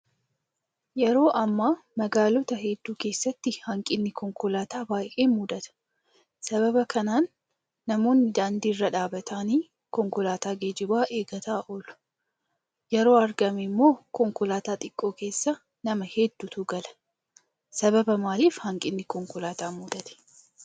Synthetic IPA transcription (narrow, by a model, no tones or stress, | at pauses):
jɛɾo̞ːʔɐmːaːmɐɡaːlɔt̪ɐɦɛd̪ːuːke̞ːsːɐt̪ːɪhɐŋkʼɪnːɪkɔŋkʊlaːt̪aːbaːjʔeːmʊd̪ɐt̪ɐ̥ | sɐβɐbɐkʰɐnaːnː | ɐmo̞ːnːɪd̪aːnd̪iːɪrːɐᶑaːbɐt̪ʰaːniː | kɔŋkʊlaːt̪aːɡeːd͡ʒɪbaːʔe̞ːɡɐt̪aːʔoːlʊ̥ | jɛɾo̞ːɐɾɡɐmɪmːo̞ːkɔŋkʊlaːt̪aːt̪ʼɪkʼːo̞ːke̞ːsːɐ | nɐmɐhɛd̪ːut̪ʊɡɐlɐ̥ | sɐbɐbɐmaːliːfhɐŋkʼɪnːɪkɔŋkʊlaːt̪aːmʊd̪ɐt̪ɛ̥